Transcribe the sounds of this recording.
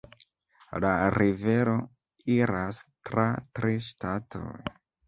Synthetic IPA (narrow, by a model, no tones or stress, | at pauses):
laɾive̞ɾo̞ | iɾastɾatɾiʃtatʰo̰j